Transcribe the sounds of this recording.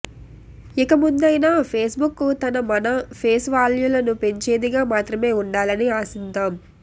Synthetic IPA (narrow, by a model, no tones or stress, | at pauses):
ikɐmund̪ɐjnaːpʰeːsbukːut̪ɐnɐmɐnɐpʰeːsʋaːljuːlɐnupe̞ɲt͡ʃe̞ːd̪iɡaːmaːt̪ɾɐme̞ːuɳɖaːlɐniaːsint̪aːm